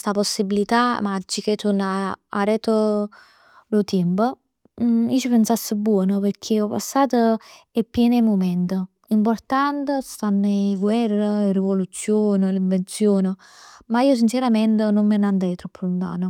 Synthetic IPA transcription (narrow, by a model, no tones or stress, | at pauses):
st̪aposːibilit̪amad͡ʒːiket̪ʰunːaa̰ɾɛt̪o | lot̪impə | iːt͡ʃipensasːəbːwɔːnəpərkʰeɔpa̰sːaːt̪ə | epːjɛːnəmomɛnt̪ə | import̪ant̪əst̪anːɡwɛrːəirivolut̪sːjoːnəliɱvent̪sjoːnə | maiːos̬int͡ʃeɾamɛnt̪ənomːənand̪ɛjt̪ɾɔpːəlunt̪a̰ːno